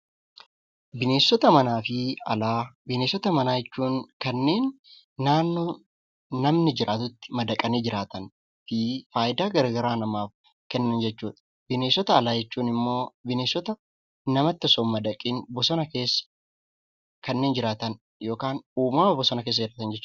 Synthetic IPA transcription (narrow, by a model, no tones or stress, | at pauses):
bɪne̞ːsːɔt̪ɐmɐnaːfɪɐlaːbɪneːsːɔt̪ɐmɐnaːd͡ʒɛt͡ʃːuːnkɐnːe̞ːnː | aːnːoː | nɐmnɪd͡ʒɪɾʔaːt̪ʊt̪ːɪ̥mɐd̪ɐkʼɐneːd͡ʒɪɾaːt̪ɐn | fɪfaːjɪd̪aːɡɐɾɐɡɐɾaːnɐmaːf | kɛnːɐːnd͡ʒɛt͡ʃːuːᶑɐ̥ | bɪneːsːɔt̪ɐːlaːd͡ʒɛt͡ʃːuːnɪmːo̞ːbɪne̞ːsːɔt̪ɐ | nɐmɐt̪ːɪɔsoːmːɐd̪ɐkʼiːnbɔsɔnɐke̞ːsːɐ̥ | kɐnːeːnd͡ʒɪɾaːt̪ɐn | jo̞ːkaːnuːmaːɐbɔsɔnɐke̞ːs̬ːɐd͡ʒɪɾaːt̪ɐnd͡ʒɛt͡ʃː